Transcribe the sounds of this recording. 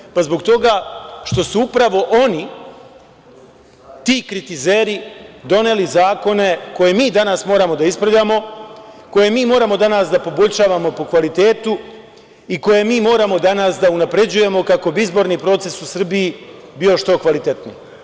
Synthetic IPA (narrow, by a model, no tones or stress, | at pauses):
pazbo̞ɡt̪o̞ɡaʃt̪o̞suupɾaʋo̞ʔo̞ni | t̪iːkɾit̪izeːɾid̪o̞ne̞lizaːko̞ne̞ko̞je̞miːd̪anasmo̞ːɾamo̞d̪aispɾaʋʎʲaːmo̞ko̞je̞miːmo̞ːɾamo̞d̪anasd̪apo̞bo̞ʎʲʃaːʋamo̞po̞kʋalit̪e̞ːt̪u | iko̞je̞miːmo̞ːɾamo̞d̪anasd̪aunapɾe̞d͡ʑuje̞mo̞kako̞biizbo̞ɾnipɾo̞ːt̪sesusr̩biibio̞ʃt̪o̞kʋalit̪e̞t̪nḭ